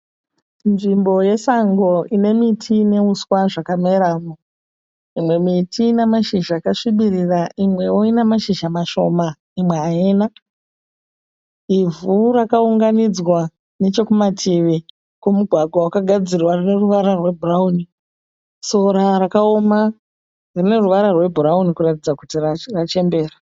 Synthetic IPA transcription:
nʐimbo̞je̞saŋɡo̞ine̞mitʰiːne̞uswaʐakame̞ɾaːmo | imwe̞mitʰinemaʃiʒaːkaʂiɓiriraʔimwe̞woinemaʃiʒamaʃo̞ma | imwe̞aeːna | ivurakauŋɡanid͡zwa | ne̞t͡ʃo̞kumatʰiʋi | komuɡʱwaɡʱwawakaɡʱad͡zirwarine̞ruʋaɾarwe̞bʱurauːni | so̞ɾarakao̞ma | rine̞ruʋaɾarwe̞bʱuɾaunikuratid͡zakutirrat͡ʃe̞mbe̞ːra

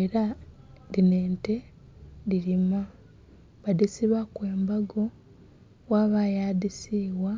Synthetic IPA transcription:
eɾaðineːnte̞ | diɾima | βadisiβakwe̞ːmbaɡo̞ | waβajadisiːwwa

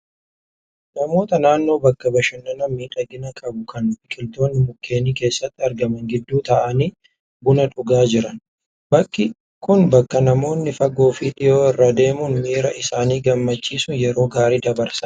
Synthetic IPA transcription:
nɐmo̞ːt̪ɐnaːnːo̞ːbɐkːɐbɐʃɐnːɐnɐmːiːᶑɐɡɪnɐkʼɐbʊkʰɐnmɪkʼɪlt̪o̞ːnːɪmʊkʰːe̞ːniːke̞ːsːɐt̪ːɪɐɾɡɐmɐŋɡɪd̪ːuːt̪ɐʔɐniː | bʊnɐᶑʊɡaːd͡ʒɪɾɐn | bɐkʼːɪ | kʊnbɐkːɐnɐmo̞ːnːɪfɐɡo̞ːfiᶑɪjoːɪrːad̪e̞ːmʊnmiːɾɐʔɪsaːniːɡɐmːɐt͡ʃːiːsʊnjɛɾo̞ːɡaːɾiːd̪ɐbɐɾsɐ

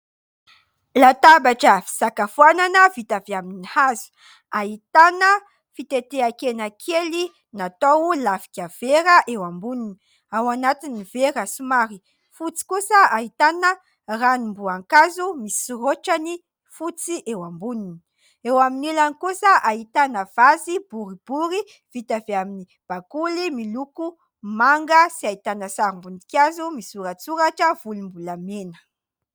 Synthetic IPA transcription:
lat̪abaʈ͡ʂəfi̥sakafuananəvit̪aviaminihazu̥ | aɦit̪anə | fit̪et̪eakenakʰeli | nat̪owlafi̥kʲav̥eɾəʔewambunini | awanat̪iniveɾasumaɾi | fut͡si̥kusəaɦit̪anə | ranimbuaŋkazumisiroʈ͡ʂani | fut͡siʔewambunini̥ | ewaminulanikusəʔaɦit̪anəv̥azibuɾib̥uɾi | v̥it̪aveamini | b̥akulimiluku | maŋɡəsiait̪anəsaɾimbund̪i̥kʲazumisuɾat͡suɾaʈ͡ʂəv̥ulimbulamenə̥

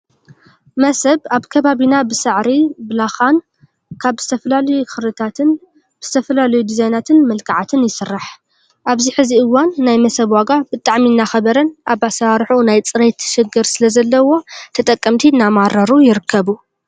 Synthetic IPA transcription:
mɐsɐβaβkʰɐβaβinabɨsɨʕɾibɨlaxan | kʰaβz̥ɨt̪ʰɐfɐlalɐjuxɨɾɨt̪ʰat̪ɨn | bɨz̥ɨt̪ʰɐfɐlalɐjud̪izajnat̪ʰɨnmɐlkʰaʕat̪ʰɨnjɪsɨrːaħ | ʔaβziħɨziɨwanːajmɐsɐβwaɡabɨt̪ʼaʕminːaxɐβɐɾɐnʔaβasaɾħunajt͡sʼɨɾet̪ʃɨɡɨɾsɨlɐzɐlːɐwo̞t̪ʰɐt̪ʼɐkʼːɐmt̪ʰinːamaɾɐɾujɪɾɨkʰːɐβu

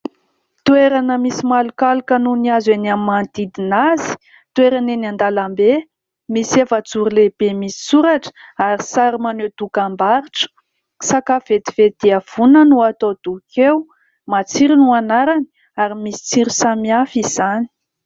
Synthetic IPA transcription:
t̪ueɾanəmisimalukalukənuniazenamimant̪id̪inazi̥ | t̪ueɾanenand̪alambe | misevət͡suɾileb̥emisi̥suɾaʈ͡ʂə̥aɾisaɾimaned̪ukambaɾiʈ͡ʂə̥ | sakav̥et̪i̥v̥ed̪̥iəv̥unənuat̪od̪̥ukʰew | mat͡siɾinuanaɾani | aɾimisi̥t͡siɾisamiafiz̥ani̥

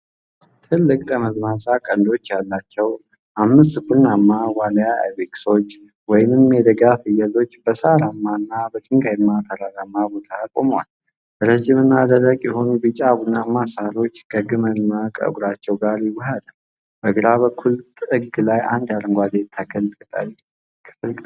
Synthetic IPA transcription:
t̪ʰɨlːɨkʼt̪ʼəməzmasakʼənd̪o̞t͡ʃːjalːat͡ʃːɛw | ʔamːɨst̪ɡunːamːawaləjaḛβekso̞t͡ʃː | wɔjɪmɨmmjɛd̪əɡafɨjəlo̞t͡ʃːb̥əsaɾamːanːabət̪ʰɨŋɡajmːat̪ʰəɾaɾamːabo̞t̪ʰakʼomwa̰l | bəɾəʒimɨnːad̪ərəkʼjɛho̞nubɨt͡ʃʼaɡunːamːasaɾo̞t͡ʃːkʰəɡɨmənmakʼə̰ɨ̰ɡuɾat͡ʃːɛwɡaɾjɪwʊɦad̪əl | b̥əɡɨɾaβəkʰːult̪ʼɨɡlajand̪aɾɨŋɡʷad̪et̪ʰakʰəlt̪ʼkət̪ʼa̰ɾi | kʰɨ̥fɨlkʼ

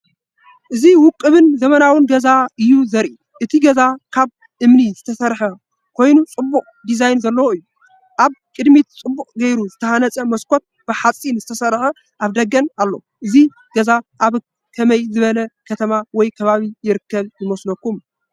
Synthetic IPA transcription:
ʔɨziwʊkʼːɨβɨnzɐmɐnawɨnɡɐzaʔɨjːuzɐɾʔi | ʔɨt̪ʰiɡɐzakʰaβ | ʔɨmnizɨt̪ʰɐsɐɾħɐ | kʰo̞jnut͡sʼɨbːuχʼd̪izajnzɐlːɐwoɨjːu | ʔaβkʼɨd̪mit̪t͡sʼɨbːukʼɡɐjɾuzɨt̪ʰɐhanɐt͡sʼɐmɐskʰo̞t̪̚b̥ɨħat͡sʼinzɨt̪ʰɐsɐɾħɐ | ʔaβd̪ɐɡɐnalːo̞̰ | ʔɨzi | ɡ̥ɐzaʔaβ | kʰɐmɐjzɨβɐlɐkʰɐt̪ʰɐmawɔjkʰɐβaβijɪɾɨkːɐβjɨmosnɐkːum

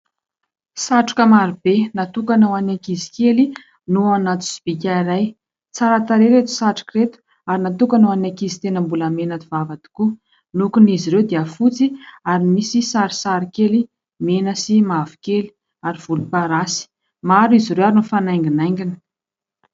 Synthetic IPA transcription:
saʈ͡ʂḁkəmaɾib̥enat̪ukanawanakizi̥keli | nuanat̪u̥si̥b̥ikʲaiɾaj | t͡saɾat̪aɾeɾet̪u̥saʈ͡ʂḁkret̪u̥ | aɾinat̪ukanawanakizi̥t̪enəmbuləmenəd̪ivavad̪i̥ku | nukuniziɾewd̪iəfut͡siaɾimisisaɾi̥saɾikeli | menəsimavi̥keli̥ | aɾiv̥ulupaɾasi̥ | maɾiziɾewaɾinufanajŋɡinajŋɡini̥

